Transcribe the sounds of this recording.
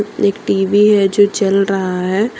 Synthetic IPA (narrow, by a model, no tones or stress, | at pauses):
eːkʈiːʋiɦɛd͡ʒoːt͡ʃɐlɾɐɦaaɦɛː